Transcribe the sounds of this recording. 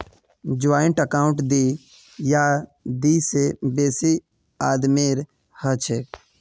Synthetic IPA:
d͡ʒʊaːjəɳʈəkaːʊ̃ɳʈd̪i | jaːd̪iːsebeːsi | aːd̪meːɾ | hət͡ʃʰe

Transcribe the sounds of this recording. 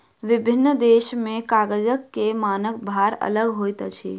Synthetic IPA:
ʋɪbʱɪnːd̪eːʃmẽkaːɡəd͡ʒəkːemaːnək̚bʱaɾə̰ləɡɦojt̪t͡ʃʰḭ

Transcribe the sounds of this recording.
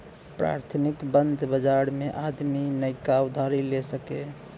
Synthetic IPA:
pɾa̰ːɾt̪ʰnikbənd̪ʱbəd͡ʒaɾmẽʔad̪minəjkaʊd̪ʱaɾilesəke

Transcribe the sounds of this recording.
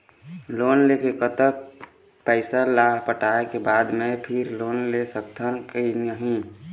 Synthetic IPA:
loːnlekekət̪ək̚ | pəɪsalaɦpəʈaekebaːd̪mẽpʰɪɾloːnlesək̚t̪ʰənkenəɦĩ

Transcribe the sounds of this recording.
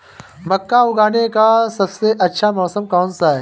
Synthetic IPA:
mɐkːaʊɡaːnekasɐbseʔɐtːʃʰamɔːsəmkɔːnsaɦɛ

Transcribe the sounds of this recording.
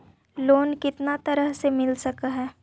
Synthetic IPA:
loːnkɪt̪nat̪ɐɾəɦsemɪlsɐkaɦɛː

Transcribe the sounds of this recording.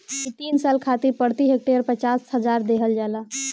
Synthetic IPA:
it̪insalkʰat̪iɾpəɾt̪iɦek̚ʈeəɾpət͡ʃasɦəd͡ʒaɾd̪eɦəld͡ʒala

